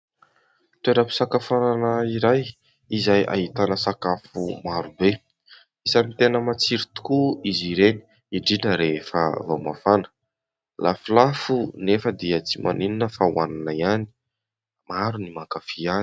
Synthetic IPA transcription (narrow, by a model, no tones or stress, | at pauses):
t̪weɾəpi̥sakafananaiɾaj | izaja̰ɦit̪anəsakafumaɾube | isamit̪enəmat͡siɾit̪u̥kuiziɾeni̥ | iɖ͡ʐinəɾefə̰voma̰fanə̥ | lʔafilafunefəd̪iət͡simʔa̰nininəfawananaiani̥ | maɾunimakafia